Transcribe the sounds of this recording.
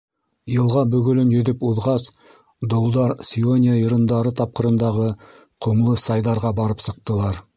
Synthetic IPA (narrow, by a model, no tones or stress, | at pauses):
jə̆lˠʁɑbɵɡʲʏ̆lɪnjɵd̪ɪpuðʁɑs | d̪olˠd̪ɑɾsʲionʲijajə̆ɾənd̪ɑɾət̪ʰɑp̚qə̆ɾə̆nd̪ɑʁə | qʰŭmlˠəsɑjd̪ɑɾʁɑbɑɾəpsə̆qt̪ə̆lˠɑɾ